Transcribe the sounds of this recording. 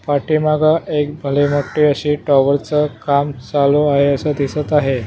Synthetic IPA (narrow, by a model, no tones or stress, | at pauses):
paʈiːmaɡaʔekbʱəliməkʈiəɕiːʈɔʋəɾt͡səkamt͡saloaɦeəsəd̪ʱisət̪aɦe